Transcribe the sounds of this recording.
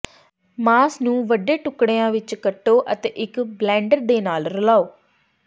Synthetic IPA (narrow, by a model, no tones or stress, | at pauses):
maːsnũːʋəɖeːʈʊkɽeːãːʋɪt͡ʃkəʈːoːʔət̪eːʔɪkblɛ̃ːɳɖəɾd̪eːnaːlɾəlaːoː